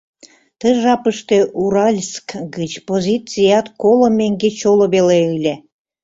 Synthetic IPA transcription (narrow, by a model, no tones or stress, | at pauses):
t̪əʒɑpəʃt̪eʔuɾɑlʲskɡət͡ɕpozʲit͡sijɑt̪kolomʲːeŋɡet͡ɕoloβeleɯlʲe